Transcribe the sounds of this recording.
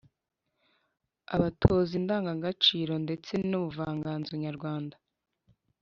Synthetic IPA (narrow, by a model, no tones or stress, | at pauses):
a̰βatʰozindaːŋɡaŋɡat͡ʃiːɾo̞nde̞t͡se̞nuβuvaːŋɡaːnzoβɲaɾɡwaːnda